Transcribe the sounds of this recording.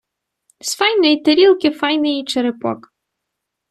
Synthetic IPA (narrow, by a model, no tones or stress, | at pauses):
sfɑjnɔjit̪eɾʲilˠkɪfɑjnɪjit͡ʃeɾɪpɔ̰k